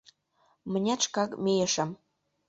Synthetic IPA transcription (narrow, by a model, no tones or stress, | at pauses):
mə̆nʲæʃkɑkmejəʃə̆m